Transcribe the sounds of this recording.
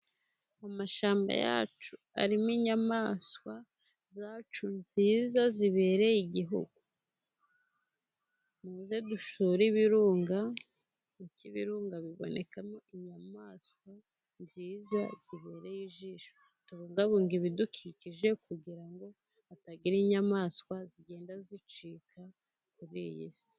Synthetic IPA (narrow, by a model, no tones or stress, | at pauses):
amaʃaːmba̰ja̰ːt͡ʃu | a̰ɾimiɲamaskwa | zaːt͡ʃunziːzaziβe̞ːɾe̞jiɟiɦṵɡu | muːzeduʃuːɾiβiɾuːŋɡa | niciβḭɾuːŋɡaβiβo̰ne̞kamoiɲamaːskwa | nziːzaz̥iβe̞ːɾejiʒiːʃo | tuβuːŋɡaβuːŋɡiβidukʰiciʒe̞kuɟiɾaŋɡo̞ | ataɡiɾiɲamaːskwaziɡe̞ːndazit͡ʃikʰa | kuɾḭjḭsi̥